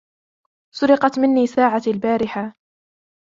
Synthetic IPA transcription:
sʊɾɪqɑt̪mɪnːiːsaːʕalbaːɾɪħa

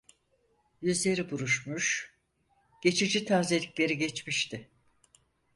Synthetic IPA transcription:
jyzlʲe̞ɾibuɾuʃmuʃ | ɟ̥e̞t͡ʃʰid͡ʒit̪ʰaɾze̞lʲiclʲe̞ɾiɟet͡ʃmiʃt̪ɪ

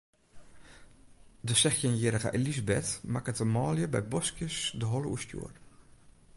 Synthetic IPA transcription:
dəsɛxjənjeɾəɣa̰ʔelizbɛtmakətəmɑːljəbɛ̰jbɔskjəsdəɦɔləʔṵstjṵːr

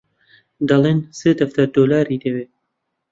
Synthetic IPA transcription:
d̪ɑleːnseːd̪ɐft̪ɐd̪oːlaːɾiːd̪eweː

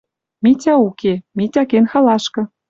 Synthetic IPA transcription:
mitʲɑukʰemitʲɑkenxɑlɑʃkɤ̆

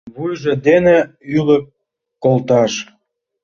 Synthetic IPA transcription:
βujʒĕd̪ene | ylə̆kː | olt̪ɑʃ

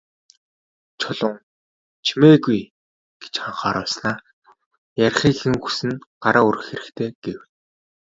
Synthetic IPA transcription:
t͡ɕʰʊɮʊ̆ŋ | t͡ɕʰimeːɣuj | ɡ̥e̥t͡ɕχaɴχaːɾʊːsnaː | jæɾʲχiːxxɘ̆ŋxu̥sɘ̆nɢaɾʔaːurɘ̆xeɾɘ̆xkt̪ʰeːɡ̥ewn

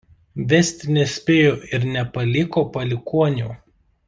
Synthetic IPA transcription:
ʋʲɛsʲt̪ʲnʲɛsʲpʲeːjoːɪɾnʲɛpɐlʲɪkoːpɐlʲɪkuɔnʲṵː

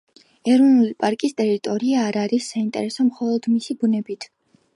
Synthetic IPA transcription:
ɛɾɔnulipʼaɾkʼist̪ʼɛɾit̪ʼɔɾiaːɾaɾisːaint̪ʼɛ̰ɾɛsɔmχɔlˠɔd̪̥misibunɛbit̪ʰ

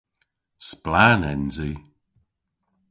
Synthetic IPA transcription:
splaːnɛnzi

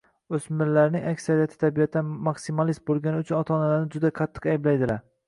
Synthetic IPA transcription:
ɵsmɪɾlaɾnɪŋakʲsaɾijat̪ʰɪ̥t̪ʰabijat̪ʰːanmaksimalismbolˠɡʲanɪʊt͡ʃʰʊnɒt̪ʰɒnalaɾnɪd͡ʒʊd̪aqʰɑt̪ʰːɨ̥qajɪblajd̪ɪlaɾ

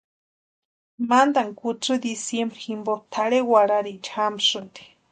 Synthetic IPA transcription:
mand̪aŋkut͡sɨd̪isjembɾiximbot̪ʰaɽewaɾaɾit͡ʃxamʂɨnt̪i̥

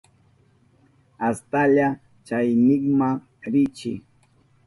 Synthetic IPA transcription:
ast̪aʎa | t͡ʃajnɪχmaŋ | ɾɪt͡ʃɪ̰

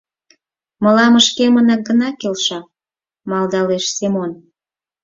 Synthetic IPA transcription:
məlɑməʃkemənɑk̚ɡənɑkelʃɑ | mɑld̪ɑleʃsemon

